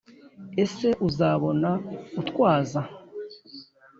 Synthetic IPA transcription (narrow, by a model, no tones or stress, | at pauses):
e̞se̞ʔuzaβo̞nautkwaːza